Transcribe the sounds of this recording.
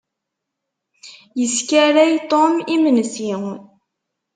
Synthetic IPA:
jəskæɾæjt̪ˤomimənsiŋ

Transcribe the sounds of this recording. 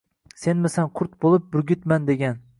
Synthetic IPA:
se̞nmɪsanqʰʊɾt̪̚bolˠɪp̚bʊɾɡʲɪt̪mand̪eɡʲan

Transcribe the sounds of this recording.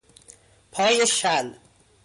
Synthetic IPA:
pʰɒːjeʃæl

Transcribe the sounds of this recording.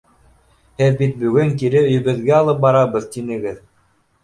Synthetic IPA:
hɘðbit̪̚bɵ̆ɡɵŋkiɾɘɵ̆jɘ̆βɘ̆ðɡæɑlˠɤp̚bɑɾɑβɤðt̪inɘ̆ɡɘð

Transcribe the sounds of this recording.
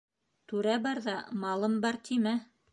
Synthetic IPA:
t̪ʉɾæbɑɾðɑmɑlˠɤmbɑɾt̪ʰimæ

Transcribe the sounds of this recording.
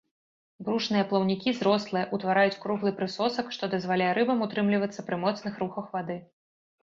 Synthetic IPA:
bɾuʂnɨjɐplˠɐwnʲikʲizɾɔslˠɨjɐʔut̪vaɾajut͡sʲkɾuɣlˠɨpɾɨsɔsɐkʂt̪ɔd̪ɐzvalʲajɛɾɨbɐmut̪ɾɨmlʲivɐt̪sːɐpɾɨmɔt̪snɨxɾuxɐxvad̪ɨ

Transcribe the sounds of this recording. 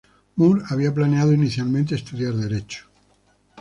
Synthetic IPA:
muɾaβ̞iaplaneaðoiniθjalmẽnt̪̬eːst̪uðjaɾðe̞ɾet͡ʃo̥

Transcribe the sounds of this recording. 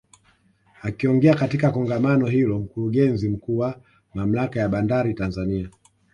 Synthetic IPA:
akiɔŋɡɛakatikakɔŋɡamanɔɦilɔm̩kuɾuɠɛnzim̩kuːwa | mam̩lakajaɓandaɾitanzania

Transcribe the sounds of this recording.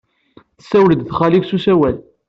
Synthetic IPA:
θsːæwləd̪θχæliksusæwæl

